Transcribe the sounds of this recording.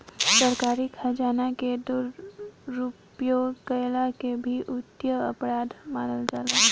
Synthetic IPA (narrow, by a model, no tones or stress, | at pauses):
səɾkaːɾɪkhɐd͡ʒaːnaked̪ʊɾː | upjokɐjlakebʱiʔʊt̪jəɐpɾaːd̪maːnəld͡ʒaːlaː